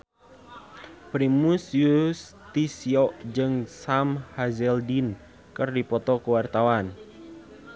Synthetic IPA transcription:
pɾimusjus | t̪isiɔʔd͡ʒɨŋsamhazɛldin | kɨrdipɔt̪ɔkəwart̪awan

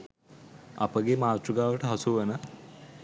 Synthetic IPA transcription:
ɐ̰pəɡemaːt̪ɾuɡaːʋəʈəɦɐsuʋenə

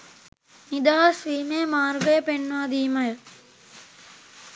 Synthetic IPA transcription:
nid̪aːsʋiːmeːmaːɾɡɐjɐpenʋaːd̪iːmɐjɐ

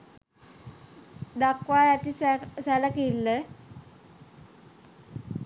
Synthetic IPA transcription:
d̪akwajat̪issɛləkilːə

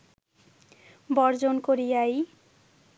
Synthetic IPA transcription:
bɔɾd͡ʑonkoɾijaj

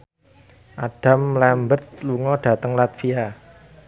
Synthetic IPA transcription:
ʔaɖ̥a̤mlɛmbərt̪̚luŋɔɖ̥ä̤t̪əŋlat̪fia

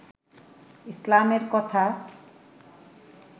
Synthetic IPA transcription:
islamerkʌt̪ʰa

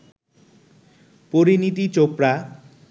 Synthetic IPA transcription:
poɾinit̪̬it͡ɕopɾa

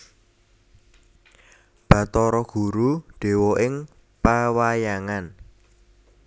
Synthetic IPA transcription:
b̥ä̤t̪ɔɾɔɡ̥ṳɾuɖ̥e̤wɔʔɪŋ | pawajaŋan

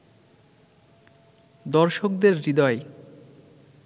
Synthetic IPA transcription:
d̪ɔɾʃok̚d̪eɾːid̪ɔe

